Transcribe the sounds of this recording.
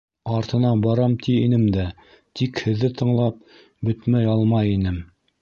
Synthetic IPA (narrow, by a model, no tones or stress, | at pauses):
ɑɾt̪ɤ̆nɑbɑɾɑmt̪ʰiinɘmd̪æ | t̪ikhɘ̆ðːɘt̪ɤ̆ɴlˠɑp̚ | bɵt̪mæjɑlˠmɑjinɘm